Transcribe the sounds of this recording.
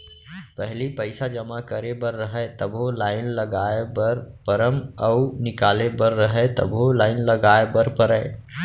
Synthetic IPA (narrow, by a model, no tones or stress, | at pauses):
pɛɦlipəɪsad͡ʒɐmakəɾebəɾːəɦɛt̪ɐbʱolaːɪnlɐɡaːebəɾpəɾəmɐʊnɪkaːlebəɾːəɦɛt̪ɐ̰bʱɦolaːɪnlɐɡaːebəɾpəɾəe